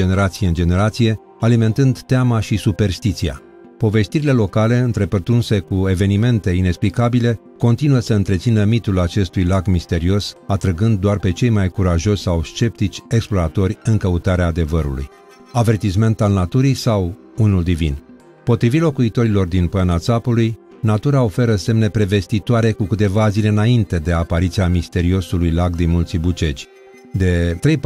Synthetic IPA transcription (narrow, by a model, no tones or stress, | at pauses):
ene̞ɾat̪sijeɨnd͡ʒe̞ne̞ɾat̪sije̞ | alime̞nt̪ɨnd̪t̪eamaʃisupe̞rst̪it̪sia̰ | po̞ve̞st̪iɾile̞lo̞kale̞ɨnt̪ɾe̞pərt̪ɾunse̞kue̞ve̞nime̞nt̪e̞ine̞ksplikabile̞ | ko̞nt̪inuəsəɨnt̪ɾe̞t̪sinəmit̪ulat͡ʃe̞st̪ujlaɡmist̪e̞ɾio̞sat̪ɾəɡɨnd̪̚d̪oarpe̞t͡ʃe̞jmajkuɾaʒo̞ʃʲsawst͡ʃe̞p̚t̪it͡ʃʲe̞ksplo̞ɾat̪o̞rʲɨŋkəut̪aɾeaːd̪e̞vəɾṵlṵj | ave̞rt̪isme̞nt̪alnat̪uɾijsaw | unuld̪ivin | po̞t̪ɾivit̪lo̞kuit̪o̞ɾilo̞rd̪inpanat̪sapuluj | nat̪uɾao̞fe̞ɾəse̞mne̞pɾe̞ve̞st̪it̪oaɾe̞kukɨt̪e̞vazile̞ɨnaint̪e̞d̪e̞apaɾit̪siamist̪e̞ɾio̞sulujlakd̪inmult̪sibut͡ʃe̞t͡ʃʲ | d̪e̞t̪ɾej